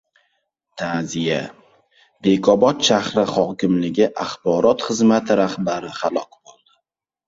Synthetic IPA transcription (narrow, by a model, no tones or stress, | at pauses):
t̪ʰazija | b̥e̞kʰɒbɒt̪ʃahɾɪχɒkʲɪmlɪɡʲɪʔaχbɒɾɒt̪χɨzmat̪ʰɪɾahbaɾɪχalˠɒkbolˠd̪ɪ